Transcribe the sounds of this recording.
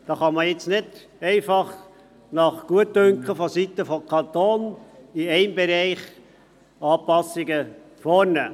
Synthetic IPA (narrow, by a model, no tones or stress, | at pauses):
d̥ɑːχɑməjɪt͡snɪd | ɛɪfɑχ | nɑχɡ̥uətdʏŋkχəfɔsit̪əfɔkʰɑnt̪oːniɛɪmbɛɾɛɪχ | ɑːpɑsiɡə | foːɾnɛ